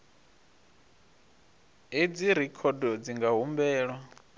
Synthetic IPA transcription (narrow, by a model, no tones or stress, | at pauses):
ɦed͡ziɾɛkʰɔdɔd͡ziŋɡaɦumbɛːɺwa